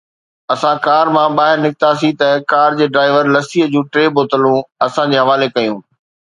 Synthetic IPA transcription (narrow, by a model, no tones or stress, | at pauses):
ɐsãkaːɾmãɓaːɦɪɾnɪkɪt̪asit̪ɐkaːɾd͡ʑeːɖɾaːɪʋəɾlɐsiɦəd͡ʑũːʈɾeːboːt̪əlũɐsãd͡ʑeːɦɐʋaːlekɐjũː